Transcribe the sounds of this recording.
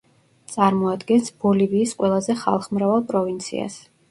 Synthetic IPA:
t̪sʼaɾmɔad̪ɡɛnsb̥ɔliviːsqʼwɛlˠazɛχa̰lˠχmɾavalˠpʼɾɔvint̪sʰḭa̰s

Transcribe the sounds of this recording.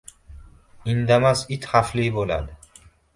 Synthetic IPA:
ind̪amasit̪ʰhaflibola̰d̪

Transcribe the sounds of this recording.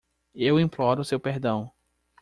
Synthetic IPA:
ewĩplɔɾʊsewpeɾd̪ɐ̃w̃

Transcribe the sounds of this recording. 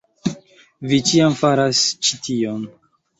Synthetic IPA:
vit͡ʃiamfaɾast͡ʃitʰion

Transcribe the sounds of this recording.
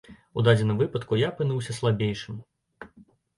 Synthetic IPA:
ud̪ad͡zʲɛnɐmvɨpɐt̪kujapɨnuwsʲɐslˠabʲejʂɨm

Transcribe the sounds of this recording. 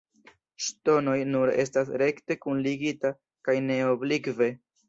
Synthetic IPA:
ʃto̞no̞jnuɾe̞̰s̬tasɾe̞kte̞kunliɡita | kajne̞oblikve̞

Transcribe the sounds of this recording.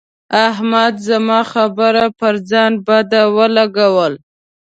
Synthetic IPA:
aɦmad̪zamɑxabəɾapəɾd͡zɑnbad̪awəlaɡawəl

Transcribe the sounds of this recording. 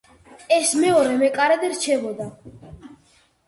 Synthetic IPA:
ɛsmɛɔɾɛmɛkʼaɾɛd̪ɛɾt͡ʃʰɛbɔd̪a

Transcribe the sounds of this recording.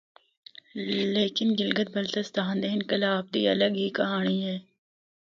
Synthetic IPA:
leːkɪnɡɪlɡət̪̚bɐlt̪əst̪aːnd̪eːɪnkɐlaːb̚d̪ḭɐ̰ləɡɦikɐɦaːniɦɛː

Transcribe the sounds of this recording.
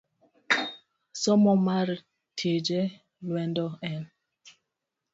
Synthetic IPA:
sɔmɔmaɾ | tʰed͡ʒɛ | lwɛndɔɛn

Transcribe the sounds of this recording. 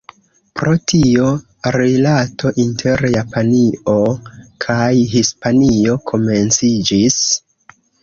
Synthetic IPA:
pɾo̞tʰio̞ | ɾilatʰo̞ʔintʰe̞ɾjapʰanio̞kʰajɦispanio̞kʰo̞me̞nt͡sid͡ʒis

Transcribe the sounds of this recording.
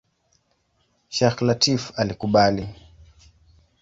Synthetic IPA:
ʃaxlatifalikuɓali

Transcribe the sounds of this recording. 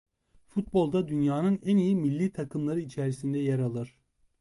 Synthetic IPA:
fut̪̚bo̞lˠd̪ad̪ynjaːnɯnænijimilʲːiːt̪ʰakʰɯmlˠaɾɯit͡ʃʰɛɾisind̪ɛjaɾalˠɯɾ̥

